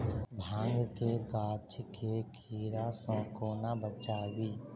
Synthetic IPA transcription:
bʱãːŋɡkekaːt͡ʃʰkʰekʰiːɾasɔ̃ːkoːnabət͡ʃaːwiː

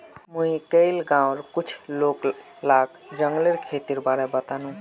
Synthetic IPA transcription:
muikəɪlɡãʊɾkut͡ʃʰlok | lak | d͡ʒəŋɡleɾkʰet̪iɾbaɾebət̪anũ

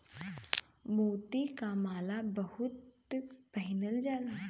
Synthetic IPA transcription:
mowt̪ikamalabəhut̪ | pəɦinəld͡zala

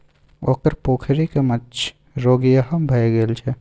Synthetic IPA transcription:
oːkəɾpoːkʰɾikemɐt͡ʃʰ | ɾoːɡijaɦɐmbʱɐeɡeːlt͡ʃʰe

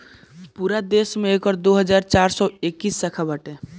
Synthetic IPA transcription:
puɾad̪eːsmẽekɔɾd̪oɦəd͡ʒaːɾt͡ʃaːɾsɔekːiːsːəkʰabəʈẽ

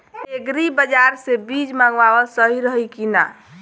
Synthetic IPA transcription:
eɡɾibəd͡ʒaɾsebid͡ʒmãŋɡʋawɔsəɦiɾəɦikina̰

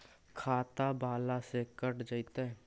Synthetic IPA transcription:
kʰaːt̪abaːlasekəʈd͡ʒəit̪a

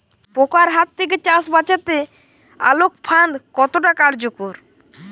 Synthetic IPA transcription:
pokaɾɦat̪ːʰek̬et͡ʃasbat͡ʃat̪e | a̰lok̚pʰand̪kɔt̪oʈakaɾd͡ʒokoɾ

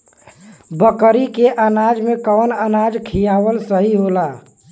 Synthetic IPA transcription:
bəkəɾikeʔənad͡ʒmekəwnənad͡ʒkʰijaʋəlsəɦiɦola

